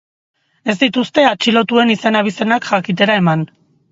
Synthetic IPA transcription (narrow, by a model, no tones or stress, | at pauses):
e̞zd̪it̪ust̪e̞at͡ʃilo̞t̪ue̞nise̞naβ̞ise̞nakʝakit̪̬e̞ɾae̞man